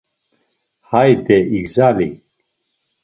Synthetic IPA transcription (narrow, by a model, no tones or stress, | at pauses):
hajd̪ɛikzalik